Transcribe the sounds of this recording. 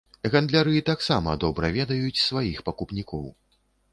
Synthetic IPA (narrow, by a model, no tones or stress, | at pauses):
ɣand̪lʲaɾɨit̪aksamɐd̪ɔbɾɐvʲɛd̪ɐjut͡sʲsvajixpɐkupnʲikɔw